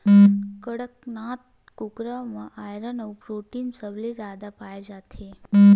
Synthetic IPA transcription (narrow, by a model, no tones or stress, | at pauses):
kəɽəknaːt̪̚ | kukɾamãʔajɾənəwpɾoːʈiːnsəblezaːd̪apaːjad͡ʒat̪ʰe